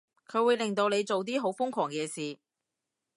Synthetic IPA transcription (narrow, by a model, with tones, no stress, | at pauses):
kʰɵ˨˧wuː˨˧jlɪ˨˩ŋt̪o˧wne˨˧jt͡so˨wt̪̬iː˥ɦo˨˥wfʊ˥ŋkʰɔː˨˩ŋkɛː˨˧siː˨